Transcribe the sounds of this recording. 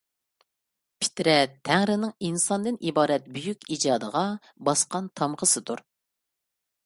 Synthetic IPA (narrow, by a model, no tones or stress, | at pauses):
pʰi̥t̪ɾɛt̪ʰːæŋɾɪnɪŋinsɑnd̪ɨnʔibɑːɾɛt̪̚byjykʲid͡ʒɑːd̪əʁɑ | bɑsqɑnt̪ʰɑmʁʰəsɨt̪uɾ